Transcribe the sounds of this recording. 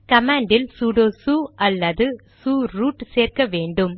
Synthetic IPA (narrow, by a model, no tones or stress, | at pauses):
kɐmaːɳɖɪlsuːɽoːsuːɐlːɐðɯsuːɾuːʈseːrkɐʋeːɳɖɯm